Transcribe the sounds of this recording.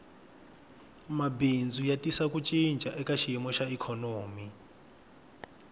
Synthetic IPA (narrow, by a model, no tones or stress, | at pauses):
mabind͡zʱujatʼisakut͡ʃʼint͡ʃʼaʔɛkaʃijɛmɔʃaikʰɔnoːmi